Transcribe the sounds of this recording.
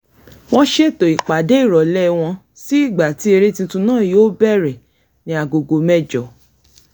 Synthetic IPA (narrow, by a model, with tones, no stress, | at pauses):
w̃ɔ̃˦ʃe˦˨to˨i˨k͡pa˨de˦i˦˨ɾɔ˨lɛ˦w̃ɔ̃˧ | si˦i˦˨ɡ͡ba˨ti˦e˧ɾe˦tĩ˧tũ˧nãː˦˨joː˦bɛ˦˨ɾɛ˨ | nĩ˨˧a˨ɡo˨ɡo˧mɛ˦d͡ʒɔ˨